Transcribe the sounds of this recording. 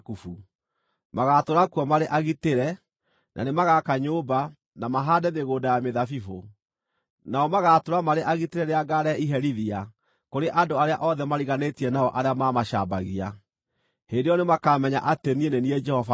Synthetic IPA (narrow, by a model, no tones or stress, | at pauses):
kufu | maɣatoɾakuɔmaɾeʔaɣiteɾɛ | nʔa̰nemaɣakaɲoːba | namaɦaːdɛðeɣoːdajameðafifo | naɔmaɣaːtoɾamaɾeʔaɣiteɾɛɾeaɡaɾɛiɦɛɾiðia | koɾeʔadoaɾeaʔɔðɛmaɾiɣanetiɛnaɔʔaɾeamaːmaʃaːbaɣia | hendejɔnemakaːmɛɲa̰ʔatenieneniɛd͡ʒɛhɔva